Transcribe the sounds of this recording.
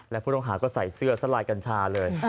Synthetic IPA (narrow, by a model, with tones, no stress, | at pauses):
lɛ˦˥pʰuː˥˩o˥˧˩ŋɦaː˩˦kɔː˥˩sa˨˩jsɯ˥˩ɐsa˧˥˩laː˧jka˧nt͡ɕʰaː˧lɤː˧j